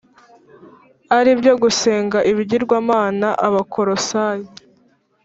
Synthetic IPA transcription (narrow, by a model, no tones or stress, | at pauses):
aɾibjo̞ɡuse̞ːŋɡaʔiβiɟiɾɡwaːmaːnaʔaβakʰoɾosaji